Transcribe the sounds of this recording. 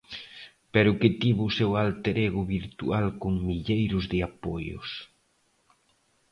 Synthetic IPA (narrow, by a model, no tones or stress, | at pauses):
pɛɾʊkɪt̪iβʊːsewalt̪eɾɛɣʊβiɾt̪ṵalkʊŋmiʎejɾʊzðɪapojʊ̰s